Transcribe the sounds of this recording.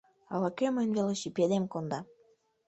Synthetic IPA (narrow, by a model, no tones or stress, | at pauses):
ɑlɑkøməjnvʲeloʃipʲed̪emkond̪ɑ